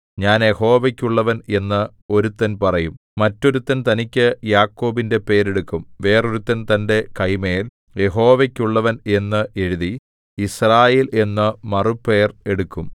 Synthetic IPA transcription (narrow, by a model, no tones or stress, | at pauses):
ɲaːnje̞ho̞ːʋɐkʲːuɭːɐʋɐne̞nːɨ | o̞ɾut̪ːɐnpɐrɐjumːɐtːo̞ɾut̪ːɐnt̪ɐnikʲːɨjaːkːo̞ːbinde̞pe̞ːɾe̞ɽukːumʋe̞ːroɾut̪ːɐnt̪ɐnde̞kɐjmeːl | je̞ɦo̞ːʋɐkʲːuɭːɐʋɐne̞nːɨʔe̞ɻiði | israːjeːle̞nːɨmɐrupːe̞ːre̞ɽukːum